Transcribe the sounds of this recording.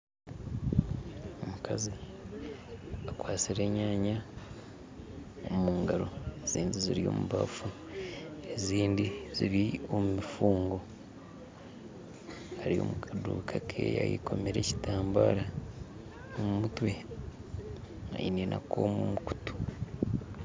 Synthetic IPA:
omukʰazi | akwaːt͡siɾe̞ːɲaːɲa | omuːŋɡaɾo̞ez̥iːnɟiziɾijo̞̰ːmuβa̰fu | eziːndiziɾjiomumifuːŋɡo̞ | haɾio̞̰mukʰadṵːkʰakʰḛːja̰jḭko̞meɾe̞ci̥taːmbaɾa | omumutwe̞ | a̰jḭninʔa̰kʰo̞̰ːmumuku̥tu̥

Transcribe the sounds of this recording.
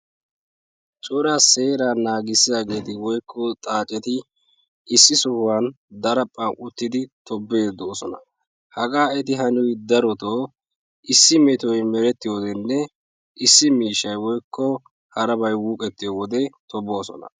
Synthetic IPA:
t͡ʃʼʊɾaːse̞ːɾaːnaːɡɪsːɪjaːɡe̞ːt̪ɪwɔjkʰːɔt̪ʼaːt͡ʃʼɛt̪ɪ | ʔɪsːɪsʊhwan | d̪ɐɾɐpʼːaʔʊt̪ːɪd̪ɪt̪ɔbːeːd̪oːsɔnɐ̰ | hɐɡaːɛt̪ɪɦɐnʊjd̪ɐɾɔt̪oː | ʔɪsːɪmɛt̪ɔjmɛɾɛt̪ːɪjoːd̪ɛnːɛ | ʔɪsːɪmiːʃɐjwɔjkʰːɔ | hɐɾɐbɐjwuːkʼɛt̪ːɪjoːwɔd̪ɛt̪ʰɔbo̞ːsɔ̰nɐ̰

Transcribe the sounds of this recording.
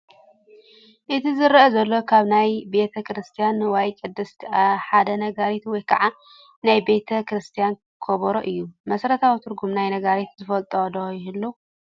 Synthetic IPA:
ʔɨt̪ʰizɨɾɐzɐlːo̞kʰaβnajbe̞t̪ʰɐkɾɨst̪ʰijanwajkʼɨd̪ːɐst̪ʰʔaħad̪ɐnɐɡaɾet̪wɔjkʰɐʕa | najbe̞t̪ʰɐkɾɨst̪ʰijan | kʰoβɐɾoʔɨjːumɐsɾɐt̪ʰawit̪ʰɨɾɡumnajnɐɡaɾet̪zɨfɐlt̪ʼod̪ɐjɪɦɨlːu

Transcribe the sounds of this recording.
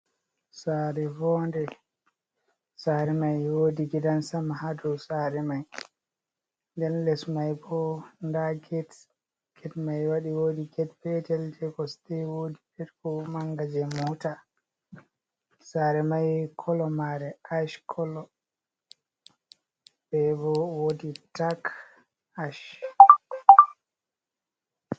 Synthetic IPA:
saːɾɛvɔndɛ | saɾɛmajwoːdiɡɛdansamahadɔsaɾɛmaj | ndɛnlɛsmajbɔndaɡɛt | ɡ̥ɛtmajwaɗiwodiɡɛtfɛtɛld͡ʒɛɡɔsdɛwoːdibiɾkɔmaŋɡad͡ʒɛmuta | saɾɛmajkʰɔlɔmaɾɛʔaʃkʰɔlɔ | bɛbɔwoditak | aʃ

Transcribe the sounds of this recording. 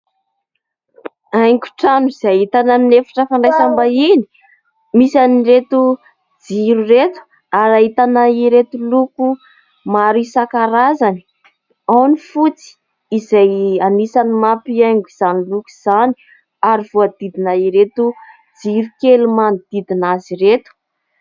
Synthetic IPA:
ajŋɡu̥ʈ͡ʂanuiz̥ajit̪anaminefḁʈ͡ʂəfaɳɖ͡ʐajsambaini̥ | misaniret̪u | d͡ziɾuret̪u̥ | aɾait̪anaiɾet̪uluku | maɾisakaɾazani̥ | awnifut͡si̥ | izajanisanimapiajŋɡuz̥aniluku̥z̥ani̥ | aɾiv̥oad̪̥id̪inaiɾet̪u | d͡ziɾukelumand̪̥id̪inaziɾet̪u̥

